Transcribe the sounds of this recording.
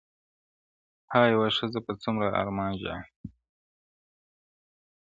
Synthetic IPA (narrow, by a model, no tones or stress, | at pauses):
hajawaʂəzapat͡sumɾaʔa̰ɾmɑːnʒa̰